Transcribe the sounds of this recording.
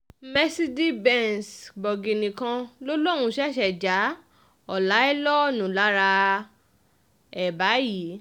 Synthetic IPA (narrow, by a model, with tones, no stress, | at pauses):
mɛ˦si˦di˦bɛ˦˨nsbɔ˨ɡi˨nĩ˨kã˧lo˦lo˦˨ɾ̃ũ˧ʃɛ˦˨ʃɛ˨d͡ʒa˨˦ | ɔ˨la˨˦ɛ˦lɔ˦˨nũ˨la˨˦ɾa˧ | ɛ˨ba˨˦ji˨˦